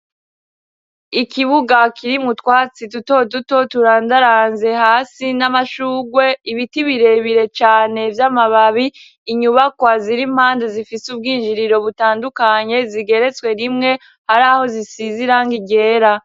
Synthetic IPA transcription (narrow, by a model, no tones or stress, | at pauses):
ikiβuɡakʰiɾimutwaːt͡situto̞duto̞tuɾaːndaɾaːnze̞haːsinamaʃuːɡwe̞iβitiβiɾe̞βiɾe̞t͡ʃaːne̞vjaːmaβaβiː | ɲuβakwaziɾim̥haːndezifisubɡiːnd͡ʒiɾiɾo̞βutaːndukaɲe̞ziɡe̞ɾe̞t͡swe̞ɾimŋe̞ | haɾaːho̞zisiziɾaŋɡiɟe̞ːɾa